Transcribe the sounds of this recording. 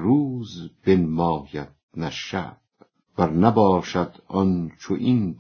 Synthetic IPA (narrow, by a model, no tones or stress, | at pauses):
ɾuːzb̥enmɒːjæt̪̚næʃæ̰b | bæɾnæbɒːʃæd̪ɒnt͡ʃʰoʔind